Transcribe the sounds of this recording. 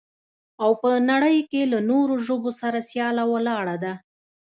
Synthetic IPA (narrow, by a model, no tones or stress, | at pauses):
awpənaɽəjkelanoɾoʒobosaɾasjɑlawəlɑɽad̪a